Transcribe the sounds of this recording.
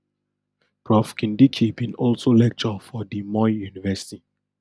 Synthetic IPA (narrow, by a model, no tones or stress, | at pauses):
pɹɔfkĩndikʰibĩnɔlsolɛk̚t͡ʃɔfɔdimɔjjunivɛsi̥ti